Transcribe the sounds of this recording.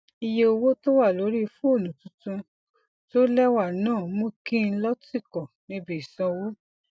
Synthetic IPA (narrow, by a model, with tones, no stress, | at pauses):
i˧je˧o˧wo˦to˦wa˦˨lo˨˦ɾi˦˧fũ˦o˦˨nũ˨tũ˧˦tũ˧ | to˦lɛ˦wa˦˨nãː˦˨mo˦kĩ˦˧˦lɔ˦ti˦˨kɔ˨nĩ˨˦bi˦i˨sɔ̃˧wo˦